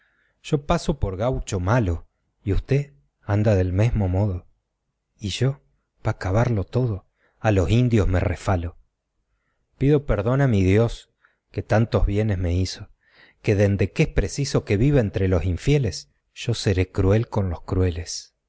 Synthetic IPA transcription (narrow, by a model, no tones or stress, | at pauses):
ʒ̥o̞pasopoɾɣawt͡ʃomalo | iust̪e | and̪aðe̞lmezmo̞mo̞ð̞o | iʒo̞ | β̥akaβaɾlo̞t̪o̞ðo̞ | alo̞sind̪jozme̞̰refalo | piðopeɾðo̞namið̞jo̞s | ke̞t̪ant̪o̞zβje̞nezme̞iso | keðe̞nd̪e̞kespɾesiso̞ke̞βiβaent̪ɾelo̞siɱfje̞les | ʒ̥o̞se̞ɾekɾue̞lko̞nloskɾwe̞les